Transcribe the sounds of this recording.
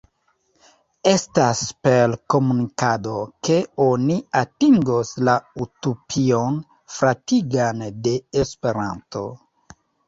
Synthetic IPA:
e̞staspelko̞munikado̞ke̞o̞niatiŋɡoslautopʰio̞n | fɾatiɡande̞ːspe̞ɾa̰nto̞̰

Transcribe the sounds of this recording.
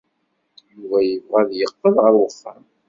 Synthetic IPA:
juvæjəvʁæðjəqːəðʁəɾwəfːæm

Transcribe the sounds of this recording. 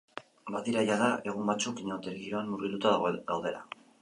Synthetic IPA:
baðiɾajaðae̞ɣ̞umbat͡sukiɲot̪eɾɣiɾo̞anːuɾɣilut̪aðaɣɣawðe̞la̰

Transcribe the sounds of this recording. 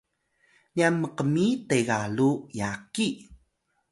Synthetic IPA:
nianməqəmiteɡalujaki

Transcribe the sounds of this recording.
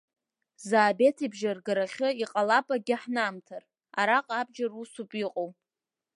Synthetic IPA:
zaːbe̞tʰibʒarɡaɾaχʲɨiqʼalapʼaɡʲɪħnaːmtʰar | a̰ɾaqʼabd͡ʒarusupʼiqʼow

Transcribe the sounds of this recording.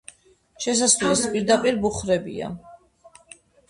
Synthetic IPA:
ʃɛs̬aslɛspʼiɾd̪apʼiɾbuχɾɛbḭa̰

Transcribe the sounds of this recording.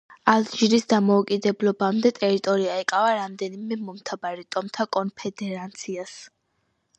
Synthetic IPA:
ald͡ʒiɾisd̪amɔukʼid̪ɛblɔbamd̪ɛt̪ʼɛɾit̪ʼɔɾiaɛkʼavaɾamd̪ɛnimɛmɔmt̪ʰabaɾit̪ʼɔmt̪ʰakʼɔnpʰɛd̪ɛɾant̪sʰias

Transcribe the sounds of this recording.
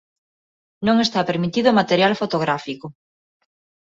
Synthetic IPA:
nõŋest̪apeɾmit̪iðomat̪eɾjalfot̪oɣ̞ɾafiko

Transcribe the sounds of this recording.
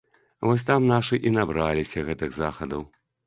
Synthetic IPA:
vɔs̬ʲt̪amnaʂɨʔinabɾalʲisʲɐɣɛt̪ɨɣzaxɐd̪ɐw

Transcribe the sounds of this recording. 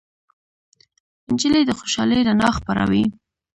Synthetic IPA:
ɪnd͡ʒəled̪əxoʃɑləjɾanɑxpaɾa̰wi

